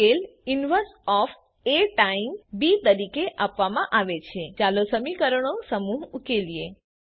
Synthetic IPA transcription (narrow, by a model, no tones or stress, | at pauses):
elinʋəɾsɔf | eʈaimbit̪əɾikeʔapʋamãʔaʋet͡ʃʰet͡ʃalosəmikəɾəɳosəmuɦukelije